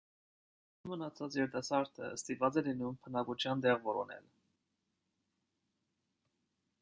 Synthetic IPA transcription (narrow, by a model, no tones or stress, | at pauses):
mənɑt͡sʰɑt͡sjɛɾt̪ɑsɑɾt̪ʰə̰əst̪ivɑt͡sɛlinumpʰənɑkut͡ʃʰjɑnd̪ɛʁvɔɾɔnɛ̰l